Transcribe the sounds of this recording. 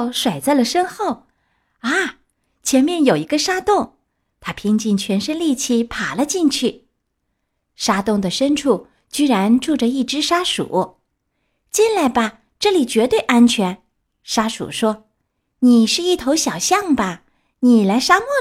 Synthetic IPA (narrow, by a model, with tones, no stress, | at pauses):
ʊʂwa˨˩ɪt͡sa˥˩ɪlə˩ʂə˥nxo˥˩ʊ | a˥˩ | t͡ɕʰjɛ˧˥nmjɛ˥˩njo˨˩ʊi˧˥ɡə˧ʂa˥t̪ʊ˥˩ŋ | t̪ʰa˥pʰi˥ŋt͡ɕi˥˩nt͡ɕʰɥɛ˧˥nʂə˥nli˥˧t͡ɕʰi˥˩pʰa˨˩lə˦t͡ɕi˥˧ŋt͡ɕʰy˥˩ | ʂa˥t̪ʊ˥˩ŋd̪ə˩ʂə˥nʈ͡ʂʰu˥˩ | t͡ɕy˥ɻa˧˥nʈ͡ʂu˥˩ʈ͡ʂə˨i˥˩ʈ͡ʂɻ̩˥ʂa˥ʂṵ˨˩˦ | t͡ɕi˥˧nla˧˥ɪbɐ˧ | ʈ͡ʂɤ˥˩li˨˩t͡ɕɥɛ˧˥t̪we˥˩ɪʔa˥nt͡ɕʰɥɛ˧˥n | ʂa˥ʂṵ˨˩ʂwɔ˥ | ni˨˩ʂɻ̩˥˧i˥˩t̪ʰo˧˥ʊɕjɑ˨˩ʊɕjɑ˥˩ŋbɐ˩ | ni˨˩la˧˥ɪʂa˥mwɔ˥˩